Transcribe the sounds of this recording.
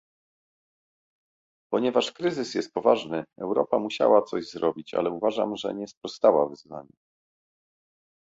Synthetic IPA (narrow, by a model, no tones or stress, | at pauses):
pɔɲɛvaʂkɾɘzɘsjɛst̪̚pɔvaʐnɘɛwɾɔpamuɕa̰wat̪sɔʑzɾɔbʲit͡ɕa̰lɛuvaʐa̰mʐɛ̰ɲɛspɾɔst̪awa̰vɘzva̰ɲɛ